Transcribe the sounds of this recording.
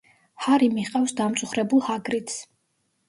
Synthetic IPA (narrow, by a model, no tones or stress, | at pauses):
haɾimiqʼafsd̪amt̪sʼuχɾɛbulˠhaɡɾit̪s